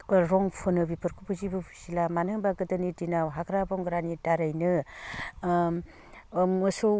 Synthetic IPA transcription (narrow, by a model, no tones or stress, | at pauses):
ɾɔŋpʰɯnɯbipʰɯɾkʰupʰɯzibɯpʰusilamanɯŋbaɡɯdɯnidinawɦaɡɾabɔŋɡɾanitaɾajnɯ | mɯso